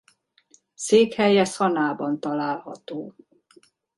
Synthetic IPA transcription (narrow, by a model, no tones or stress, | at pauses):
seːkhɛjɛsɒnaːbɒnt̪ɒlaːlhɒ̰t̪oː